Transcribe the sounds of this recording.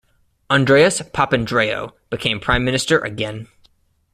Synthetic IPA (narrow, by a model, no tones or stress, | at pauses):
ɑ̃ndɹeɪɨspʰɑpɨ̃ndɹeɪo̰ʊb̥ɨkʰẽɪ̃mpʰɹ̥ãɪ̃mːɪ̃nɨstə˞ʔɨ̰ɡɛ̃n